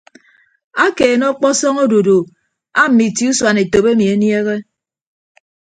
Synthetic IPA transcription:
a˦keː˨nɔ˦k͡pɔ˦sɔ˦ŋo˦du˨du˨ | a˦m̩˨mi˨ti˦u˦swa˨ne˨to˨be˦mi˨e˦nje˦ɣe˦

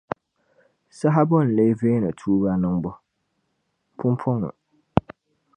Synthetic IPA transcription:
sa˦ɦa˦bɔ˦˨n̩˨le˦veː˦nɨ˨tʰuː˦ba˦nɨ˦ŋbʊ˦ | pʰʊ˦m˦pʰʊ˦ŋʊ̰˨

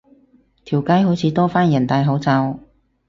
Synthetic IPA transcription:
t̪ʰiː˨˩wkɐ˨˥jɦo˨˥wt͡sʰiː˨˥t̪ɔː˥faː˥njɐ˨˩nt̪aː˧jɦo˨˥wt͡sa˧w

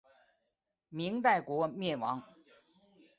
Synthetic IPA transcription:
mi˧˥ŋt̪a˥˩ɪkwɔ˧˥mjɛ˥˩nwɑ˧˥ŋ

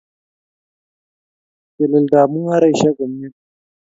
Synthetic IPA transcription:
kɛ˨lɐ˨ldaː˨mu˦ŋha˦ɾa˦˨jʃa˦ɡɐ˨m˦ja˦

